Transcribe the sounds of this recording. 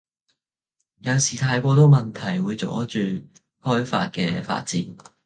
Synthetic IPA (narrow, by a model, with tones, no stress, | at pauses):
jɐ˨˧wsiː˨˩t̪ʰaː˧jkɔː˧t̪o˥wmɐ˨nt̪ʰɐ˨˩jwuː˨˧jt͡sɔ̰ː˨˥t͡ʃyː˨ | hɔː˥jfa̰ː˧t̚kɛ̰ː˧fa̰ː˧t̚t͡siː˨˥n